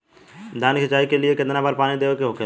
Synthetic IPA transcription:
d̪ʱaːnkʰɪt͡ʃaːikelɪekɪd̪nãbaɾpaːnid̪eːokeɦoːke

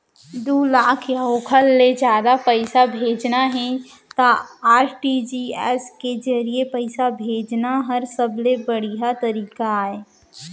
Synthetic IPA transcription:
d̪uːlaːkʰjaoːkʰəlːed͡ʒjaːd̪apɛɪsabʱeːd͡ʒnaɦɛ̃ | t̪aaːɾʈid͡ʒiːɛ̰ːsked͡ʒɐɾiepəɪsabʱeːd͡ʒnaɦɐɾsɐblebɐɽ̤iɦat̪ɐɾiːkaːeː

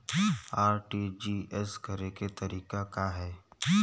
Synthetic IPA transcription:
aːɾʈid͡ʒiːɛskɐɾeket̪ɐɾiːkakaɦɛː

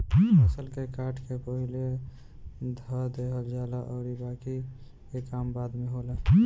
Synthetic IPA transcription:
səlkekaʈʰkepəɦile | d̪ʱəd̪eɦəld͡ʒalaʔʊɾibaki | kekambad̪meɦolə

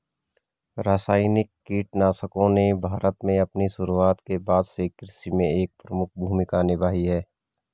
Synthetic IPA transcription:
ɾaːsaːɪnɪkːiːʈnaːsəkõnebʱaːɾət̪mẽɐpniʃʊɾuaːt̪kebaːd̪sekɪɾɪsimẽeːk̚pɾəmʊk̚ʰbʱuːmɪkanɪʋaːɦiɦɛː

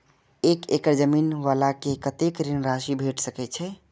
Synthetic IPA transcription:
ekekəɾd͡ʒəminʋalakekət̪ekɾinɾaʃibʱeʈʰsəkɛt͡ʃʰɛ

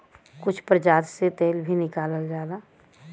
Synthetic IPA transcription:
kʊt͡ʃʰpɾəd͡ʒaːd̪set̪eːlbʱinɪkaːləld͡ʒaːlaː

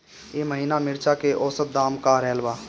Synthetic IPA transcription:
jeːməɦiːnamɪɾt͡ʃakeʔɔːsət̪̚d̪aːmkaɾɛːlbaː

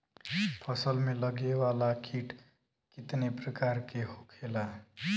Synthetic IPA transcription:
pʰʌsəlmelʌɡewalakʰiʈ | kit̪nepɾəkaɾkehokʰela

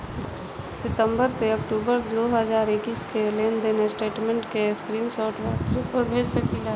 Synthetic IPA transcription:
sɪt̪ə̃mbəɾseɐkʈuːbəɾd̪oːɦəzaːɾɪkiːskeleːnd̪eːnesʈeːʈmẽɳʈkeskɾiːmsɔːɾʈʰwaːpɾmeːsəkila

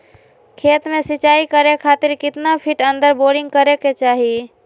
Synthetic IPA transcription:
kʰeːt̪mẽsɪt͡ʃaːikəɾekʰaːt̪ɪɾkɪt̪napʰiʈə̃nd̪əɾboɾɪ̃ŋɡ̚kəɾeket͡ʃaːɦi

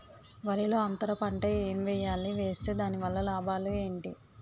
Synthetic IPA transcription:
ʋɐɾilo̞ːɐnt̪ɐɾɐpɐɳʈɐeːmʋɛjːaːliʋe̞ːst̪e̞ːd̪aːniʋɐlːɐlaːbaːlue̞ːɳʈi

